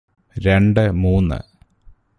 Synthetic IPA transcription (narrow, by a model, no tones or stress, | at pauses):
ɾe̞ɳɖɨmuːnːɨ̰